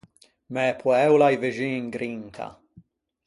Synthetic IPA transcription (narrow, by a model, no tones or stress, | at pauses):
mɛːpʰwɛwlajvɪʒiːŋɡɾiŋk̪ʰa̰